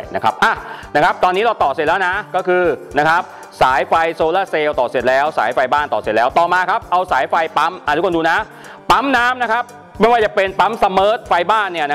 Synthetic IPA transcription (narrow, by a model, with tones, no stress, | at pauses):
na˦˥kʰa˦˥p̚ʔa˧˩na˦˥kʰa˦˥p̚t̪ɔː˧nːiː˦˥ɾa˧wt̪ɔː˨˩se˨˩lɛː˦˥wna˦˥kɔː˥˩kʰɯː˧na˦˥kʰa˦˥p̚ | saː˩˦jfa˧jsoː˧laː˥˩seː˧wt̪ɔː˨˩se˨˩t̪̚lɛː˦˥wsa̰ː˩˦jfa˧jbaː˥˩nt̪ɔː˨˩se˨˩t̪̚lɛː˦˥wt̪ɔː˨˩maː˧kʰa˦˥p̚ʔa˧wsaː˩˦jfa˧jpa˦˥mʔa˧˩u˦˥kʰːduː˧na˦˥ | pa˦˥mnaː˦˥mna˦˥kʰa˦˥p̚ | m˦˥˩waː˧˩t͡ɕa˨˩pe˧npa˦˥msa˧mɤː˦˥t̪̚fa˧jbaː˥˩nːi˥˩ɐna˦